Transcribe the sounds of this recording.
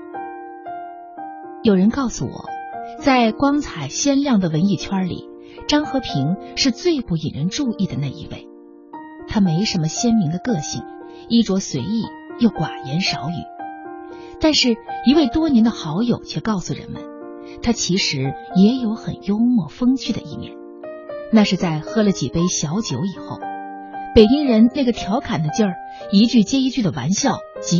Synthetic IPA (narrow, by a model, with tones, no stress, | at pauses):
jo˨˩ʊɻə˧˥nkɑ˥˩ʊsṵ˨˩wɔ̰˨˩˦t͡sa˥˩ɪkwɑ˥ŋt͡sʰa˨˩ɪɕjɛ˥nljɑ˥˩ŋd̪ə˩wə˧˥ni˥˩t͡ɕʰwɐ˥lḭ˨˩˦ | ʈ͡ʂɑ˥ŋxɤ˧˥pʰi˧˥ŋʂɻ̩˥˧t͡swe˥˧ɪpu˥˩i˨˩ɻə˧˥nʈ͡ʂu˥˧i˥˩d̪ə˩na˥˩ḭ˧˥wḛ˥˩ɪ | t̪ʰa˥me˧˥ɪʂə˧˥nmə˧ɕjɛ˥nmi˧˥ŋd̪ə˧kɤ˥˧ɕḭ˥˩ŋ | i˥˩ʈ͡ʂwɔ˧˥swe˧˥ɪi˥˩ | jo˥˩ʊkwa˨˩jɛ˧˥nʂɑ˧˥ʊy̰˨˩˦ | t̪a˥˧nʂɻ̩˥˩i˧˥we˥˩ɪt̪wɔ˥njɛ˧˥nd̪ə˧xɑ˧˥ʊjo˨˩ʊt͡ɕʰɥɛ˥˧kɑ˥˩ʊsu˨˩ɻə̰˧˥nmə̰˧˦n | t̪ʰa˥t͡ɕʰi˧˥ʂɻ̩˧˥jɛ˧˥jo˧˥ʊxə̰˨˩njo˥ʊmwɔ˥˩fɤ˥ŋt͡ɕʰy˥˩d̪ə̰˩ʔḭ˥˧mjɛ̰˥˩n | na˥˧ʂɻ̩˥˧t͡sa˥˩ɪxɤ˥lə˨t͡ɕḭ˨˩pe˥ɪɕjɑ˧˥ʊt͡ɕjo˧˥ʊi˨˩xo˥˩ʊ | pe˨˩ɪt͡ɕi˥ŋɻə˧˥nna˥˩ɡə˩t̪ʰjɑ˧˥ʊkʰa˨˩nd̪ə˦t͡ɕjɑ˥˩ | i˧˥t͡ɕy˥˩t͡ɕjɛ˥i˧˥t͡ɕy˥˩d̪ə˩wa̰˧˥nɕjɑ˥˩ʊt͡ɕi˧˥